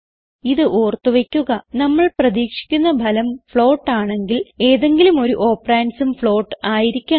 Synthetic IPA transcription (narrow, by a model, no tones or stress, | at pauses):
iðɨʔoːrt̪ːuʋekʲːuɣɐnɐmːɐɭprɐðiːkʂi̥kʲːun̪ːɐbʱɐlɐmfɭo̞ːʈːaːɳe̞ŋɡile̞ːðe̞ŋɡilumo̞ɾuʔoːpraːnsumfɭo̞ːʈːɨaːjiɾikʲːa